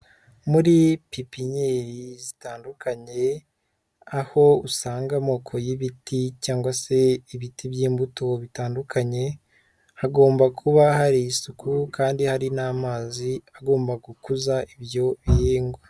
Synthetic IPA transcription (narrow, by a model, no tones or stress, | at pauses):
muɾipipiɲeɾizitaːndukʰaɲe̞ | aho̞usaːŋɡamo̞ːkʰo̞jiβitʰicaːŋɡwase̞iβitibjiːmbuto̞βitaːndukʰaɲe̞ | aɡo̞ːmbakʰuβahaɾiːsukukaːndihaɾinaːmaːziaɡo̞ːmbaɡukuzaʔibjo̞βijeːŋɡwa